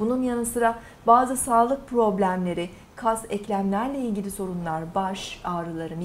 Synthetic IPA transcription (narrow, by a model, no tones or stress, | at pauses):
b̥ununjanɯsɯɾa | baːzɯsaːlˠɯk̚pʰɾo̞blʲæmlʲe̞ɾɪ | kʰasɛclʲæmlʲæɾlʲɛilʲɟʲilʲiso̞ɾunlˠaɾbaʃaːɾɯlˠaɾɯm